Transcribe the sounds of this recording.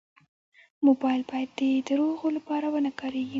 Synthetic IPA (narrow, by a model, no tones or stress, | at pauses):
mobɑjlbɑjad̪ːed̪əɾoɣolapɑɾawənakɑɾeɡi